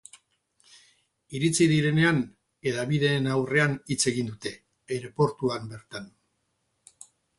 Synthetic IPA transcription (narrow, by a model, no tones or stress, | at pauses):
iɾit͡siðiɾe̞ne̞an | e̞ðaβiðe̞ːnawre̞anit͡se̞ɣ̞ind̪ut̪e̞ː | ɾe̞po̞ɾt̪uambe̞ɾt̪an